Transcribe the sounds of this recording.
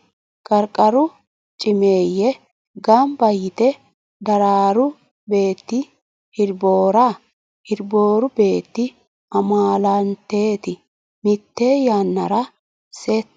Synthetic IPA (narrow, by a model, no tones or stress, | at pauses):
kʼɐɾkʼɐɾʊ | t͡ʃʼɪmeːjːɛ | ɡɐmbɐjɪt̪ɛ | d̪ɐɾaːɾʊ | be̞ːt̪ːɪ | hɪɾboːɾa | hɪɾbo̞ːɾʊbe̞ːt̪ːɪ | ɐmaːlɐnt̪e̞ːt̪ɪ | mɪt̪ːe̞ːjaːnːɐ̰ɾɐ | seːt̪ː